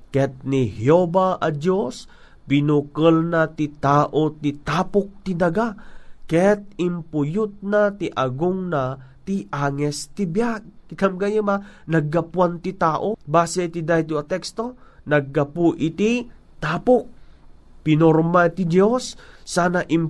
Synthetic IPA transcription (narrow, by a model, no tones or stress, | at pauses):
kɛt̪̚nihjobaʔɐd̪jos | pɪnukəlnat̪it̪aːʔot̪it̪aːpʊk̚t̪ɪd̪ɐɡakɛt̪̚ɪmpʊjʊt̪̚nat̪iʔɐɡʊŋnat̪iʔaːŋɛst̪ɪbjaɡ̚ɪkɐmɡajɐmanɐɡːɐpwant̪it̪aːʔobaːsɛit̪id̪aːjt̪uɐt̪ɛkst̪o̞ | nɐɡ̚ːɐpuʔɪt̪i | t̪aːpok̚ | pɪnoɾmat̪id̪josːaːnaʔɪm